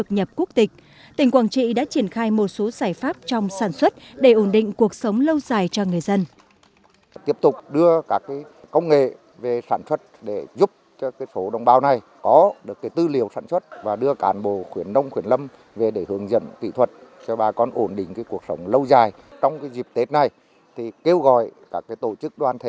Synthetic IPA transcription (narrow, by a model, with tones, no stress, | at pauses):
tɨ˨˩k̚ɲə˨˩p̚ku˦˥k̚t̪ï˨˩k̟̚ | t̪ï˨˩ŋ̟kwaː˧˩t͡ɕḭ˧˨ɗa̰ː˧˥t͡ɕi˧˩ənxaː˧jmo˨˩t̚so˨˦zaː˧˩jfaː˦˥p̚t͡ɕɔ˧wŋ͡msaː˧˩nswə˦˥t̚ɗe˧˩ʔo˧˩nɗḭ̈˧˨ŋ̟ku˨˩ək̚sə˨˦wŋ͡mlə˧wzaː˨˩jt͡ɕɔ˧ŋɨ˨˩əjzə˧n | t̪i˦˥əp̚t̪ʊ˨˩k͡p̚ɗɨ˧əkaː˦˥kːaː˨˦j | kə˧wŋ͡mŋḛ˧˨ | ve˨˩saː˧˩nswə˦˥t̚ɗe˧˩zu˦˥p̚t͡ɕɔ˧kaː˨˦jso˨˦ɗə˧wŋ͡mɓaː˧wna˨˩j | kɔ˨˦ɗɨ˨˩əkːaː˨˦jt̪ɨ˧li˨˧˩əwsaː˧˩nswə˦˥t̚vaː˨˩ɗɨ˧əkaː˨˦nɓo˧˨xwi˧˩ənnə˧wŋ͡mxwi˧˩ənlə˧m | ve˨˩ɗe˧˩hɨ˨˦əŋzə̰˧˨nkḭ˧˨t̪ʰwə˨˩t̚t͡ɕɔ˧ɓaː˨˩kɔ˧nʔo˧˩nɗï˧˨ŋ̟kaː˨˦jku˨˩ək̚sə˨˦wŋ͡mlə˧wzaː˨˩j | t͡ɕɔ˧wŋ͡mkaː˨˦jzi˨˩p̚t̪e˦˥t̚na˨˩j | t̪ʰi˨˩ke˧wɣɔ̰˧˨jkaː˦˥kːaː˨˦jt̪o̰˧˨t͡ɕɨ˦˥k̚ɗwaː˧nt̪ʰe˧˩